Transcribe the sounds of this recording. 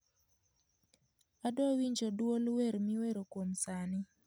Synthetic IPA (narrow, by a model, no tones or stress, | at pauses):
adɔwiɲd͡ʒodwolweɾmɪweɾokwomsanɪ